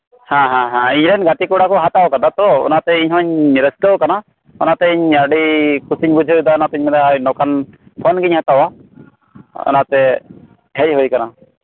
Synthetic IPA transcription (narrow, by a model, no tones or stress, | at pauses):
hãɦãɦãiɲɾɛnɡaʈikuɽakɔɦat̪awkad̪at̪ɔɔ̰nat̪ɛiɲɦɔ̃ɲɾɛsləwkana | ɔnat̪ɛiɲaɖikusiɲbud͡ʒʱiud̪aɔnat̪ɛiɲmɛd̪aajnɔkanpʰɔnɡiɲhat̪awa | ɔ̰nat̪ɛ | ɦɛc̚ˀɦujkana